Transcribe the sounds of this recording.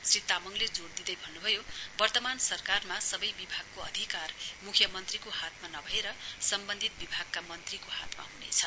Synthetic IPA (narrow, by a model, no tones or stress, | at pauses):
srit̪amʌŋled͡zoɽd̪id̪ʌjbʱʌnːubʱʌjobʌrt̪ʌmansʌrkarmasʌbʌjbibʱaɡ̚koʌ̰d̪ʱikarmukʰjʌmʌnt̪rikohat̪̚ʰmanʌbʱʌeɾʌsʌmbʌnd̪ʱit̪̚bibʱaɡ̚kamʌnt̪rikoha̰t̪ma̰ɦunḛt͡sʰʌ